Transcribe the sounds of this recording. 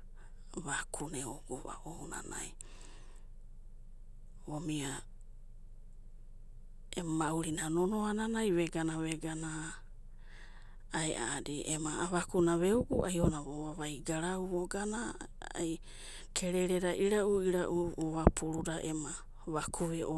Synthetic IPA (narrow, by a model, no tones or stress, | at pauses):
βakʰuneuɡuβa̰ʔouna̰na̰j | omia | emmauɾinanonoananajβeɡanaβeɡana | eʔa̰ːdiʔemaaβakunaβeuɡuʔajonaβoaβajɡaɾauβoɡana | a̰j | kʰe̞ɾeɾeɾaʔiɾaʔuiɾaʔuoβapʰuɾudaʔḛma | βakʰuβeʔo